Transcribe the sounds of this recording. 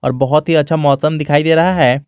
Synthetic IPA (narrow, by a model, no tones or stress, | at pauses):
ɔ̰ːɾbɐɦʊt̪ɦiɐtːʃʰamɔːsəmd̪ɪkʰaːid̪eːɾɐɦaɦɛː